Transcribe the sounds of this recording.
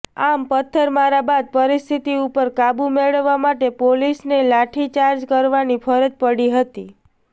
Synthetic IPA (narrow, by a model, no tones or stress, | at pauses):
ampət̪ʰːəɾmaɾabad̪̚pəɾist̪ʰit̪iupəɾkabumeɭəʋːamaʈepolisnelaʈʰit͡ʃaɾd͡ʒkəɾʋanipʰəɾəd͡ʒpəɽiɦət̪i